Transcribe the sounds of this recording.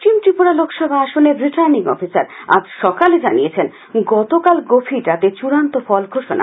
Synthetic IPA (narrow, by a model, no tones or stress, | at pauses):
imʈɾipuɾalokʃɔbʱaaʃoneɾiʈaɾniŋɔ̰fisaɾa̰d͡ʑʃɔkaled͡ʑaniet͡ɕʰen | ɡɔt̪okalɡofʰiʈ̪at̪et͡ɕuɾant̪ofɔlɡʱoʃona̰